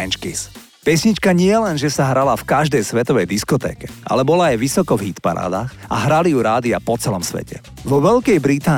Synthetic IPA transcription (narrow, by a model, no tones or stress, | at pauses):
nt͡ʃkis | pɛsɲit͡ʃkaɲɪɛlɛnʒɛsaɦɾalafkaʒd̪ɛjsʋɛt̪ɔʋɛjd̪iskɔt̪ɛ̰ːkɛa̰lɛbɔlaːjʋisɔkɔvɦit̪pa̰ɾa̰ːd̪aːxa̰ɦɾalijuɾaːd̪iapɔt͡sɛlɔmsʋɛ̰cɛ | ʋɔʋɛʎkɛjbɾit̪aː